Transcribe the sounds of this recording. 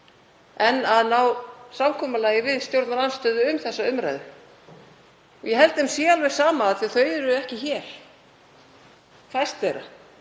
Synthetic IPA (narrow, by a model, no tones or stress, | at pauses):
ɛnːaðnawsamkʰɔːmalaːjɪvɪðst̪jowɾt̪naɾanst̪œːðʏʏmθɛsːaʏmɾa̰jðʏ | ɔ̰jɛɦɛlt̪ɪɪmsjɛalvɛɾ̥saːmaːðθiθœːɥðʏɾʏɛhcɪçɛːɾ̥ | fajst̪veːjɾa̰